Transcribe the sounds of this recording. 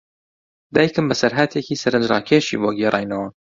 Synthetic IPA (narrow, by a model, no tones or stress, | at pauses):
d̪aːjkɨmbɐsɐɾɦat̪ʰekiːsɐɾɨnd͡ʒɾɑ̰ːkʰeʃḭvoɡerʔɑ̰ːjnɐwa